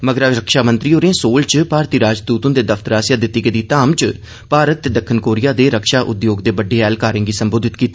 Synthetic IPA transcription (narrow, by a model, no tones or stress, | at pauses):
məɡəɾaɾəkʃaːmənt̪ɾiːoːɾẽːsoːlt͡ʃpaːɾt̪iːɾaːd͡ʒd̪uːt̪õːd̪eːd̪əfʰt̪əɾaːsjaːd̪ɪt̪ːiːɡəd̪iːt̪aːmt͡ʃ | paːɾət̪ːeːd̪əkʰːənkoːɾɪjaːd̪eːɾəkʃaːʔʊd̪joːɡd̪eːbəɖːeːɛːlkaːɾẽːɡiːsəmboːd̪ɪt̪kiːt̪ːiː